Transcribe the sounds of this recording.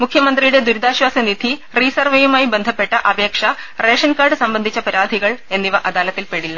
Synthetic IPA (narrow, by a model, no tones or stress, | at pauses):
mukʰːjɐmɐnd̪rijuɽe̞d̪uɾud̪ʱaːɕwaːsɐnid̪ʱi | riːsɐrʋɐjumaːjibend̪ʱɐpːe̞ʈːɐʔɐbe̞ːkʂɐ | re̞ːʂɐnkaːrɖɨsɐmbɐnd̪ʱit͡ɕːɐpɐɾaːd̪ʱiɣɐɭe̞nːiʋɐʔɐd̪aːlɐt̪ːilpeɽilːɐ